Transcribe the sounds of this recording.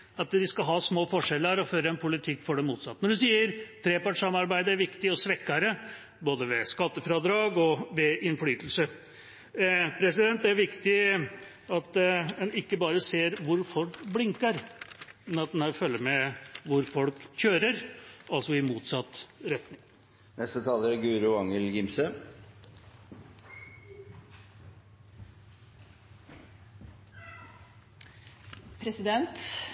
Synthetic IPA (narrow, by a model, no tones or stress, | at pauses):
ɑt̪d̪ɪskɑɦɑːsmoːfɔʂɛlːəəɾɔføːɾəɛnpʰʊlɪt̪ʰɪkːfɔɖɛmuːt̪sɑt̪ːənɔɖʉsiːəɾt̪ʰɾeːpɑʈʂɑmɑɾbæɪd̪əæɾʋɪkt̪ɪɔsʋɛkːɑɾə | boːd̪əʋɛskɑt̪ːəfɾɑd̪ɾɑːɡɔʋɛɪnflyːt̪əlsə | pʰɾɛsɪd̪ɛnt̪æɾʋɪkt̪ɪ | ɑt̪ɛnɪkːəbɑːɾəseːɾʋʊɾfɔlkblɪŋkəɾmɛnɑt̪̚d̪ɛnhæːɾfœlːəmɛʋʊɾfɔlkçøːɾəɾʔɑlsɔɪmuːt̪sɑt̪ːɾɛt̪nɪŋ | nɛst̪ət̪ʰɑːləɾɡʉːɾʉɑŋəlɡɪmsə | pʰɾɛsɪd̪ɛnt̪